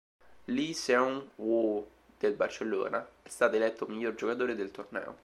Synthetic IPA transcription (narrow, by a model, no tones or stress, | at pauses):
lisɛunwo | d̪̥elbart͡ʃelːo̰ːnaɛst̪aːt̪oelɛt̪ːomiʎːord͡ʒokat̪̬oːɾed̪elt̪ornɛ̰ːo̰